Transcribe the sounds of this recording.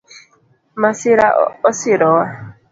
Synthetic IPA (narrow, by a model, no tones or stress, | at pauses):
masɪɾa̰ɔsɪɾɔwa